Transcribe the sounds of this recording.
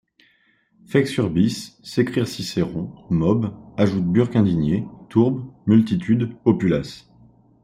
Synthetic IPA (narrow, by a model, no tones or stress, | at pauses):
fɛksyʁbisːekχiʁsiseʁɔ̃mɔbaʒut̪̚byʁkɛ̃d̪iɲet̪ʰuʁbmylt̪it̪ʰyd̪opylas